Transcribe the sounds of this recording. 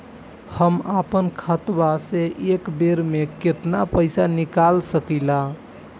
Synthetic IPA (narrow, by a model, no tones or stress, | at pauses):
həmapənkʰət̪baseʔekbeɾmeket̪napəjsanikalsəkila